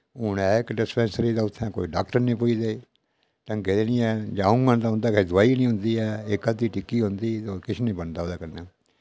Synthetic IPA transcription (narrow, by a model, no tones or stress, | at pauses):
ʊnɛːɪkɖɪspɛ̃ːnsəɾiːd̪aːʊt̪ʰːɛ̃ːkoːiɖaːk̚ʈəɾnĩːpʊid̪eː | t̪ə̃ŋɡed̪enĩːɛːd͡ʒaːũɡənd̪aːɦʊnd̪aːkeid̪ʊaːiːnĩːɦʊ̃nd̪iːɛːɪkəd̪iːʈɪkːiːɦʊ̃nd̪iːt̪oːkɪt͡ʃʰːnĩːbənd̪aːoːd̪aːkəɾnaː